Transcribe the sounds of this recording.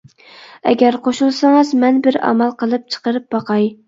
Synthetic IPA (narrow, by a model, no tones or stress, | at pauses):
ɛ̰ɡʲɛɾqʰoʃulˠsɑŋɨzmɛnbɪɾɑ̰mɑlˠqʰəlˠɨp̚t͡ʃʰə̥qəɾɨp̚bɑqʰɑj